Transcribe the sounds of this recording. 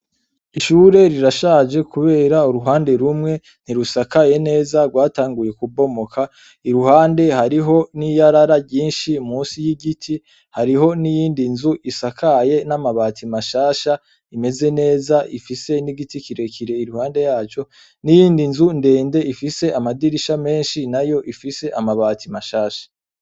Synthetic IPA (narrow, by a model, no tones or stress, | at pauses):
iʃuːɾe̞ɾiɾaʃaːd͡ʒe̞kuβe̞ːɾauɾuɦaːnde̞ɾumŋe̞ | n̥iɾusakaje̞ne̞ːzaɡwaːtaːŋɡuje̞kubo̞mo̞kʰa | iɾuɦaːnde̞haɾiɦo̞nijaɾaɾaɟiːnʃimuːsijiɡitʰi | haɾiɦo̞nijiːndinzuʔisakʰaje̞namaβaːtʰimaʃaːʃa | ime̞ze̞ne̞ːzaʔifise̞niɡitikiɾe̞kiɾe̞iɾuhaːnde̞jaːt͡ʃo̞ | nijiːndinzunde̞ːnde̞ifise̞ʔamadiɾiʃame̞ːnʃinajo̞ʔifise̞ʔamaβatimaʃaːʃḁ